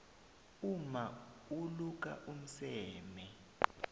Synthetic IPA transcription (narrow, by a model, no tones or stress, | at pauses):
uma | uluk̬a̰ʔum̩sɛːmɛ